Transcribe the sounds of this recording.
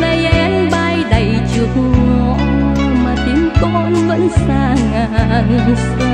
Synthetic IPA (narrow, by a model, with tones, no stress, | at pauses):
nə˨˧˩jʔɛ˧mɓa˧jɗə˨˩jt͡ɕɨ˨˩ək̚ŋɔ˧˨ | maː˨˩t̪i˨˦əmkɔ˧nvə̰˧˥nsaː˧˩ŋa˧˩˧ŋ